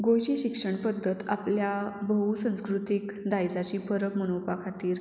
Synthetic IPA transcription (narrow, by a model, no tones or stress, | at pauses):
ɡojɕiɕikʂəɳpəd̪ʱːət̪a̰pljabəɦusə̃ñskɾut̪ikd̪ajd͡zat͡ɕiːfəɾəkmənowpakʰat̪iːɾ